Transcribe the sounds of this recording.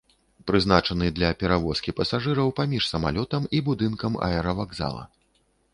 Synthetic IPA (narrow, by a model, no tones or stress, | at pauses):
pɾɨznat͡ʂɐnɨd̪lʲɐpʲɛɾavɔskʲipɐsaʐɨɾɐwpamʲiʂsɐma̰lʲɔt̪ɐmibud̪ɨnkɐmɐ̰ɛɾɐvaɡza̰lˠɐ̰